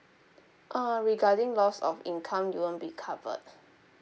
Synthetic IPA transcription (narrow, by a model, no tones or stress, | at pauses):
ʔaɹiɡadɪ̃ŋlɔsɔ̰fĩnkʰãmjuwə̃nbikʰavə̰t̚